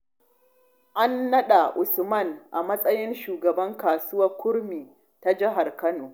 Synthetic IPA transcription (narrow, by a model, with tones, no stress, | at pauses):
ʔa˦nːɐ˦ɗa˨ʔʊ˨smɐ˦˨nʔa˨mɐ˦sʼɐ˦jɪ˦nʃuː˨ɡɐ˨bɐ˦ŋkaː˨sʊ˦wɐ˦rkʷʊ˦ɽmiː˨ | ta˦d͡ʒɪ˦ɦa˨rkɐ˦noː˨